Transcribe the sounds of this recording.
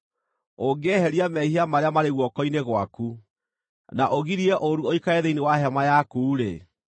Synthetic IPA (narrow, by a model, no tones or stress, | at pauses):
oɡehɛɾiamɛhiamaɾeamaɾeɣwɔkɔineɣwaku | naʔoɣiɾiɛʔoɾuoikaeðeinewaɦɛmajakuːɾḛ